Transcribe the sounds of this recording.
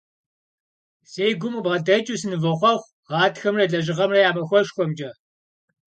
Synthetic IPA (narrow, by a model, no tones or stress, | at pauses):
seːjɡʷʊmɨbʁɐdɐt͡ʃʼusɨnɨvɐχʷɔχʷ | ʁɑːtxɐmrɐɮɐʒɪʁɐmrɐjaːmɐxʷɔʃxʷɔmd͡ʒɐ